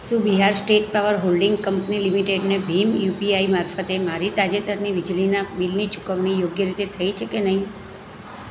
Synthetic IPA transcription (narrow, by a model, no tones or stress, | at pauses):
subiɦaɾsʈeʈ̚paʋəɾɦolɖɪŋɡkəmpnilimiʈeɖnebʱimjupiaimaɾfət̪emaɾit̪ad͡ʒet̪əɾniʋɪd͡ʒlinabilnit͡ʃu̥kəʋnijoɡjəɾit̪et̪ʰəit͡ʃʰekenəɦĩ